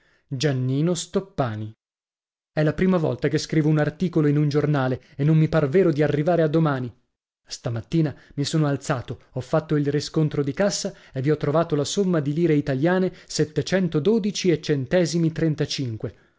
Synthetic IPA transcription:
d͡ʒanːiːnost̪opːaːni | ɛlːapɾiːmavɔ̰lt̪akeskɾiːvounart̪iːkoloinund͡ʒornaːle | enːomːiparveːɾod̪iarːivaːɾead̪ːomaːni | st̪amat̪ːiːnamisoːnoalt̪saːt̪oɔfːat̪ːoilriskont̪ɾod̪ikasːa | evːiɔt̪ːɾovaːt̪olasomːad̪iliːɾeit̪aljaːneset̪ːet͡ʃɛnt̪od̪oːd̪it͡ʃiet͡ʃːent̪ɛːzimit̪ɾent̪at͡ʃiŋkwe

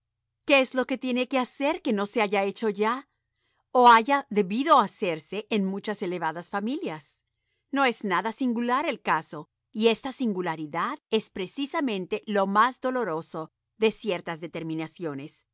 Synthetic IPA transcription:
ke̞ezlo̞ke̞t̪je̞ne̞ke̞ase̞ɾke̞no̞se̞aʝae̞t͡ʃo̞ʝa | oaʝaðe̞βiðo̞ase̞ɾse̞ʔːnmut͡ʃase̞le̞βaðasfamiljas | no̞e̞znaðasiŋɡulaɾe̞lkaso̞ | ie̞st̪asiŋɡulaɾiðaðe̞spɾe̞sisamẽ̞nt̪e̞lo̞mazd̪o̞lo̞ɾo̞so | ðe̞sje̞ɾt̪azðe̞t̪e̞ɾmĩnasjo̞ne̞s

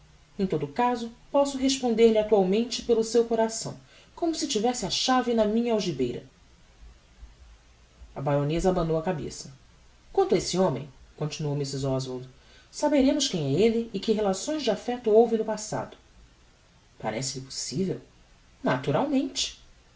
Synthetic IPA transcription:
ẽj̃t̪od̪ʊːkazʊpɔsʊɦeʃpõnd̪eɾlɪat̪uawmẽnt͡ʃɪpelʊsewkoɾasɐ̃w̃ | kõmʊsɪt͡ʃivɛsɪaʃavɪnɐmĩɲɐawʒibejɾɐ̰ | ɐbajɾõnezɐabɐ̃nowɐkabḛsɐ | kwɐ̃nt̪ɐesɪõmḛ̃j̃kõnt͡ʃinuowmisɪzɔzvold̪ | sabeɾẽmʊʃkẽj̃ɛelɪːkɪɦelasõj̃zd͡ʒɪafɛt̪ʊowvɪnʊpasa̰d̪ʊ̥ | pa̰ɾɛsɪlɪpo̥sivew | nat̪uɾawmẽnt͡ʃɪ̥

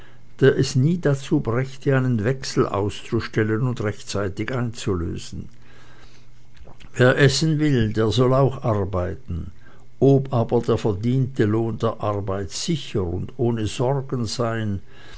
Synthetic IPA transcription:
d̥eːɐʔɛsniːdat͡suːbʁɛçtəaɪnənvɛksl̩ʔa̰ʊst͡suʃtɛlənʊndʁɛçtt͡saɪtɪçʔaɪnt͡sulø̰ːzn̩ | veːɐʔɛsn̩vɪldeːɐzɔlaʊxʔaʁbaɪtn̩ | ʔoːpʔaːbɐdeːɐfɛɐdiːntəloːndeːɐʔaʁbaɪtz̥ɪçəʁʊndʔoːnəzɔʁɡn̩z̥aɪn

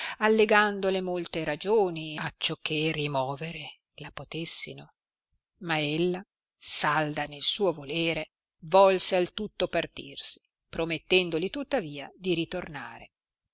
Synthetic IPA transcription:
alːeɡand̪olemolt̪eɾad͡ʒoːniat͡ʃːokʰːerimɔːveɾe | lapot̪esːḭno | maelːa | sald̪anelsuːovoleːɾe | vɔlsealt̪ut̪ːopart̪ḭrsi̥ | pɾomet̪ːɛnd̪olit̪ut̪ːaviːad̪iɾit̪orna̰ːɾe

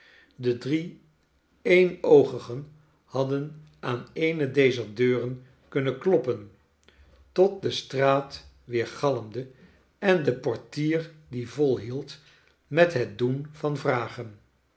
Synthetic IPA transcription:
dədri | ejnowχəχən | hɑdən | ʔaːnejnədejzəɹdøːrən | kɵnənklɔpən | tɔt̚dəstraːt | ʋɪːɹχɑləmdə | ɛndəpɔɹtiːɹdivɔlˠɦilˠt | mɛtɦət̚dunv̥ɑnvraːχən

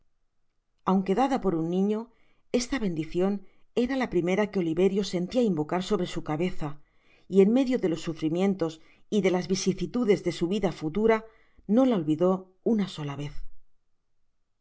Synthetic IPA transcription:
awŋke̞ðaðapo̞ɾunːĩɲo̞ | e̞st̪aβe̞nd̪iθjo̞ne̞ɾalapɾime̞ɾake̞o̞liβe̞ɾjo̞se̞nt̪iaimbo̞kaɾso̞βɾe̞sukaβe̞θa | ie̞nme̞ðjo̞ðe̞lo̞sːufɾimjẽ̞nt̪o̞s | iðe̞lazβisiθit̪uðe̞zðe̞suβiðafut̪uɾa | no̞lao̞lβiðo̞ | unaso̞laβe̞θ

